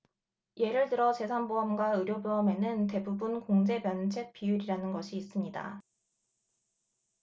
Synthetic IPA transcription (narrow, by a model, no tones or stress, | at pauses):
je̞ɾɯɭtɯɾʌt͡ɕe̞sʰanboɦamɡwaɯɾjoboɦame̞nɯnte̞bubunkoŋd͡ʑe̞pjʌnt͡ɕʰe̞k̚p͈ijuɾiɾanɯnɡʌɕʰiːs͈ɯmɲida̰